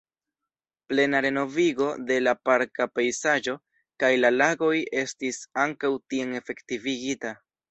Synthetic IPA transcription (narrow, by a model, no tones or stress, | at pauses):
ple̞naɾe̞no̞viɡo̞de̞lapaɾkapejsad͡ʒo̞ | kajlalaɡo̞je̞stisaŋkawtieŋe̞fe̞ktiviɡita